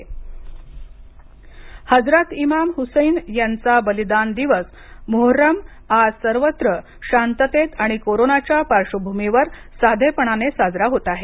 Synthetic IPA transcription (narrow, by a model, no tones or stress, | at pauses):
həd͡zɾat̪imamhusəjnjant͡sabəlid̪and̪iʋəs | moɦoɾəm | asəɾʋət̪ɾə | ɕant̪ət̪et̪aɽ̃ikoɾonat͡ɕjapaɾʂəbʱumiʋəɾsad̪ʱepəɳ̃anesad͡zɾaɦot̪aɦe